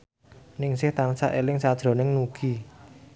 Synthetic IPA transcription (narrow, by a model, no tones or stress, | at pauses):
nɪŋsɪht̪ansa̰ʔelɪŋsad̥ʒ̥ɾo̤nɪŋnuɡ̥i